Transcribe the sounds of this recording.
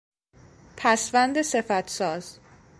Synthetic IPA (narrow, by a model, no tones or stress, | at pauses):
pʰæsvænd̪ese̞fæt̪ʰsɒːz̥